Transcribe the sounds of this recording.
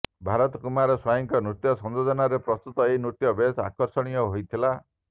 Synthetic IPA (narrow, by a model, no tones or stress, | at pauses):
bʱaɾɔt̪ɔkumaɾɔswajɔŋkɔnɾut̪jɔsɔnd͡ʒɔd͡ʒɔnaɾepɾɔst̪ut̪ɔeinut̪jɔbesa̰kɔɾsɔɽ̃ijɔɦojt̪ʰila